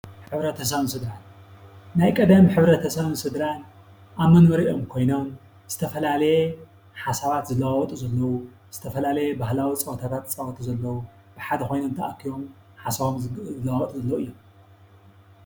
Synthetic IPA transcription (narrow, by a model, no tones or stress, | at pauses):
ħɨβɾɐt̪ʰɐs̬ɐβɨnsɨd̪ɾan | najkʼɐd̪ɐmħɨβɾɐt̪ʰɐsɐβɨnsɨd̪ɾan | ʔaβmɐnbɐɾiʔo̞mkʰo̞jno̞m | z̥ɨt̪ʰɐfɐlalɐje | ħasaβat̪zɨlɐwawɔt̪ʼuzɐlːɐwu | z̥ɨt̪ʰɐfɐlalɐjebahlawit͡sʼɐwɐt̪ʰat̪ʰat̪t͡sʼɐwɐt̪ʰuzɐlːɐwu | b̥ɨħad̪ɐkʰo̞jno̞mt̪ʰaʔkʰiβo̞m | ħasaβomzɨlɐwwɐt̪ʼuzɐlːɐwuɨjːom